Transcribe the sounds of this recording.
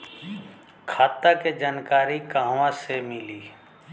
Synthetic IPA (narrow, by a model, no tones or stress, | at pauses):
kʰaːt̪ːaked͡ʒaːnkaːɾikaːɦʋãsemɪliː